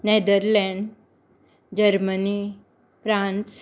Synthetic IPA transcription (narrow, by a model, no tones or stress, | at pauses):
ned̪əɾlɛ̃ɳɖ | d͡ʑəɾməni | pɾãns